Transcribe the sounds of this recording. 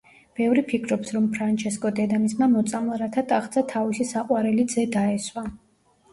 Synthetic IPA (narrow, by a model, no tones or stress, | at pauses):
b̥ɛvɾipʰikʰɾɔpsɾɔmpʰɾant͡ʃʰɛskʼɔd̪ɛd̪amismamɔt̪sʼamlˠaɾat̪ʰat̪ʼaχd̪sʰat̪ʰavisisaqʼwaɾɛlid̪zɛd̪aɛswa